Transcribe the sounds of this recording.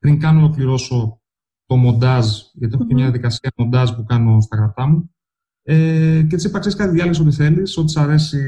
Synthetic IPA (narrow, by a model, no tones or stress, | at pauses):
pɾiŋkɐnolo̞kliɾo̞so̞ | t̪o̞mo̞nd̪ɐzʝɐt̪ieotemɲɐðijɐðikɐsiɐmo̞nd̪ɐzpukɐno̞st̪ɐkɾɐt̪ɐmu | eceet̪isipɐkseskɐt̪iðiɐlɐsot̪iθe̞liso̞t̪̬i̥sɐɾe̞si